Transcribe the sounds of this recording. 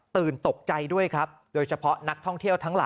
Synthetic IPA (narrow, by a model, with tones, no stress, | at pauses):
t̪ɯː˨˩nt̪o˨˩k̚t͡ɕa˧jdu˥˩əjkʰɾa˦˥p̚ | doː˧jt͡ɕʰa˧pʰɔ˦˥na˦˥k̚t̪ʰɔ˥˩ŋt̪ʰi˥˩əwt̪ʰa˦˥ŋla̰ː˨˦